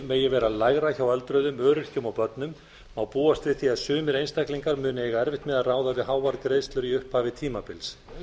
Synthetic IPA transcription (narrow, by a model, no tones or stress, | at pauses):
meːjɛvɛːɾalajɣɾaçawɛlt̪ɾœɥðʏmœːɾʏɾ̥cʏmawpœt̪nʏm | awpuːast̪ɾɪθiaðsʏːmɪɾejnst̪akliŋkaɾmʏːnɪejɣaɛɾvɪht̪mɛðaðraːwðavɪðɦaːwvaɾkɾeːjst̪lʏɾiʏhphavɪt̪ʰiːmapɪls